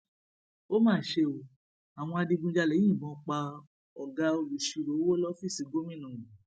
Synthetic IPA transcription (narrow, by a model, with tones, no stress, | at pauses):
o˦mãː˦˨ʃe˧o˧ | a˨w̃ɔ̃˧a˧di˧ɡũ˧d͡ʒa˧lɛ̃˨˦ĩ˦˨mɔ̃˨˦k͡pa˧ | ɔ˨ɡa˧o˧lu˨ʃi˧ɾo˨˦wo˦lɔ˦fi˦˨si˨˧ɡo˦mĩ˦nũ˨